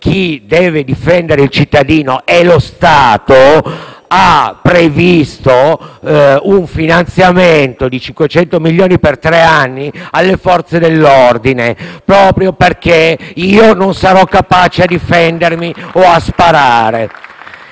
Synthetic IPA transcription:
k̟ʰid̪ɛːved̪ifɛnd̪eɾeilt͡ʃit̪ːad̪iːnoʔɛlost̪aːt̪o | apːɾevist̪o | uɱfinant̪sjament̪od̪it͡ʃiŋkwet͡ʃɛnt̪omilːjoːnipert̪ɾeanːialːefɔrt̪sed̪elːord̪inepɾɔːpɾjoperkeiːononsaɾɔkːapaːt͡ʃead̪ifɛnd̪ermioaspaɾaːɾe

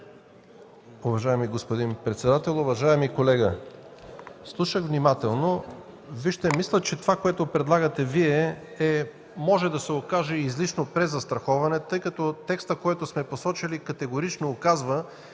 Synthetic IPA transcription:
ʊvɐʒaɛmiɡospod̪inpɾɛt̪sɛd̪at̪ɛlˠʊvɐʒaɛmikolɛɡə | slˠuʃəɣvnimat̪ɛlˠno | viʃt̪ɛmislʲət͡ʃɛt̪ovakoɛt̪opɾɛd̪lˠaɡət̪ɛviɛɛ | mɔʒɛd̪ɐsɛokaʒɛizlit͡ʃnopɾɛzɐst̪ɾɐxɔvɐnɛt̪ɤjkɐt̪ɔt̪ɛkst̪əkoɛt̪osmɛposɔt͡ʃilikɐt̪ɛɡoɾit͡ʃnoːkazvə

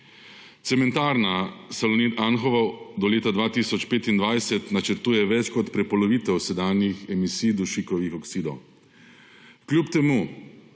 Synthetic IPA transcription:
t̪sɛmɛnt̪aːɾnasalɔnit̪anxɔʋɔd̪ɔleːt̪ad̪ʋaːt̪isɔt͡ʃpeːt̪ind̪ʋajsɛt̪nat͡ʃəɾt̪uːjɛʋɛt͡ʃkɔt̪pɾɛpɔlɔʋiːt̪ɛwsɛd̪aːnjixɛmisijd̪uʃikɔʋixɔksid̪ɔw | klʲjupt̪ɛmu

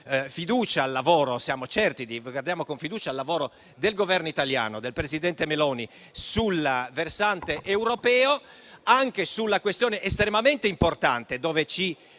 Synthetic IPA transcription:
fid̪uːt͡ʃaːlːavɔːɾosjaːmot͡ʃɛrt̪id̪ivɡward̪jaːmokoɱfid̪uːt͡ʃalːavɔːɾo | d̪elɡovɛrnoit̪alja̰ːnod̪elpɾezid̪ɛnt̪emelɔːni | sulaversant̪eʔewɾopɛːo | aŋkesulːakwest̪jɔːneʔːst̪ɾemament̪eimport̪ant̪ed̪ɔːvet͡ʃi

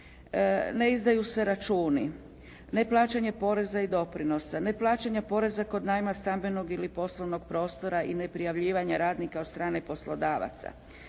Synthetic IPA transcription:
ne̞izd̪ajuse̞ɾat͡ʃuːni | ne̞plˠaːt͡ʃeɲepo̞ɾe̞zaid̪o̞pɾino̞sane̞plˠaːt͡ʃeɲapo̞ɾe̞zako̞d̪najmast̪ambe̞no̞ɡilipo̞slˠoʋno̞ɡ̥pɾo̞ːst̪o̞ɾaʔine̞pɾijaʋʎiːʋaɲaɾaːd̪nikaost̪ɾaːne̞po̞slo̞d̪aːʋa̰t̪sa̰

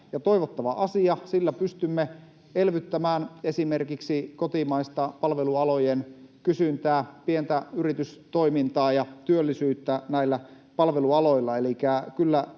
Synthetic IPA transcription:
jɑt̪ojʋot̪ːɑʋɑʔɑsiɑsilːæpyst̪ymːe | elʋyt̪ːæmæːnesime̞rkiksikot̪imɑist̪ɑpɑlʋeluɑlojenkysynt̪æːpient̪æyrit̪yst̪oimint̪ɑːjɑt̪yølːisyːt̪ːænæilːæ | pɑlʋeluɑlo̞ilːɑelikækylːæ

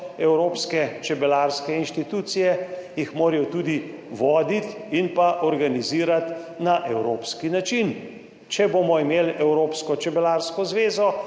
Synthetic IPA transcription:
ɛwɾoːpskɛt͡ʃɛbɛlaːɾskɛinʃt̪it̪uːt̪sijɛjixmoːɾɛjɔt̪uːd̪iʋɔːd̪it̪inpaʔɔɾɡaniziːɾat̪naʔɛwɾoːpskinat͡ʃin | t͡ʃɛboːmɔimeːlɛwɾoːpskɔt͡ʃɛbɛlaːɾskɔzʋeːzɔ

